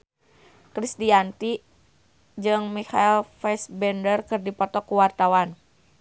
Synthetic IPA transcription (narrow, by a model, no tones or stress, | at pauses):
kɾisdiant̪i | d͡ʒɨŋmiha̰ilfɛsbɛndərkɨrdipɔt̪ɔkuwart̪awan